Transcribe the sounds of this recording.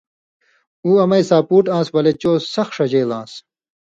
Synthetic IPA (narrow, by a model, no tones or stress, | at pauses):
uːɐmɐjsaːpuːʈãːsbɐlet͡ɕoːsɐxʂɐd͡ʑeːlãːs